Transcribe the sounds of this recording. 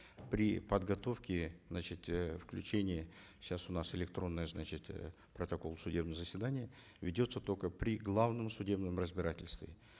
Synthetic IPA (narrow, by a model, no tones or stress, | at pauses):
pɾʲɪ̰pəd̪ɡɐt̪o̞fkʲɪznat͡ɕɪt̪fklʲʉt͡ɕenʲɪjəɕasʊnasɪlʲɪk̚t̪ɾo̞nːɨjəznat͡ɕɪt̪ | pɾət̪ɐko̞lˠsʊdʲe̞bnəjəzəsʲvʲɪd̪anʲɪjə | vʲɪdʲo̞t̪sət̪o̞kəpɾʲɪɡlˠavnɨmsʊdʲe̞bnɨmrəzʲbʲɪɾatʲɪlʲst̪vʲɪ̰